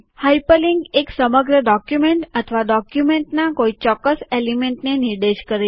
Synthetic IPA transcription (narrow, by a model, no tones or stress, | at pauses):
hajpəliŋɡeksəməɡɾəɖɔkjumeɳʈət̪ʰʋaɖɔkjumeɳʈnakoit͡ʃɔkːəselimeɳʈnenɪɾɖ̪eʃkəɾe